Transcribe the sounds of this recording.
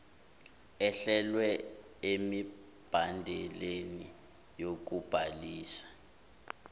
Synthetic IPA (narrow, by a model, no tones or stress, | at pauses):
ɛɬɛlwɛ | emi | b̥ʱandʱɛleni | jok̬ub̥ʱaliːsḁ